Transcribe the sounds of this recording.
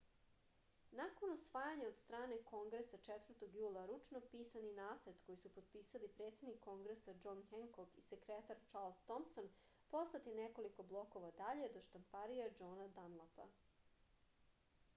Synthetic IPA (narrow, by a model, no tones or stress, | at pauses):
nakonusʋaːjaɲao̞d̪st̪ɾaːne̞ko̞ŋɡɾesat͡ʂet̪vr̩t̪o̞ɡjuːlˠaɾut͡ʃno̞piːsaninaːt̪saɾt̪ko̞jisupo̞d̪̚piːsalipɾet̪se̞d̪nikʰːo̞ŋɡɾesad͡ʒo̞nxeŋkokisekɾet̪aɾt͡ʃaɾlˠzt̪omso̞n | po̞slat̪ineko̞liko̞blˠo̞ko̞ʋad̪aʎe̞d̪o̞ʃt̪ampaɾijad͡ʒoːnad̪anlˠapa̰